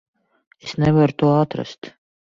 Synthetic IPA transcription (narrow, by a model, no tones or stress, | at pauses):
esnɛvaɾt̪uɔat̪ɾa̰st̪